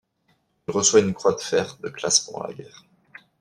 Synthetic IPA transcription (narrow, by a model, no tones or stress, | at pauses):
ilʁəswaynkχwad̪əfɛʁd̪əklaspuʁla̰ɡʲɛ̰ːʁ